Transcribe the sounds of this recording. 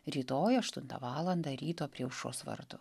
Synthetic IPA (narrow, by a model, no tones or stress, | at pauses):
ɾʲiːt̪oːjɐʃt̪ʊnt̪ɐ̰ʋɑːlˠɐnd̪ɐɾʲiːt̪oːpʲɾʲiɛʊʃo̰ːsʋɐ̰ɾd̪ʊ